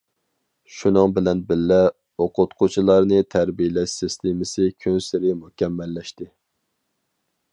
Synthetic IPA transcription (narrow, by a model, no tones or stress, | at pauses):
ʃunɨŋbɪlɛnbɪlːɛ | oqʰʊt̪qʰʊt͡ʃʰilˠɑɾnɨt̪ʰæɾbijlɛʃsɪst̪ʰɪmɪsɪkʲʰønsɪɾɪmuhkʲɛmːɛlːɛʃt̪ɪ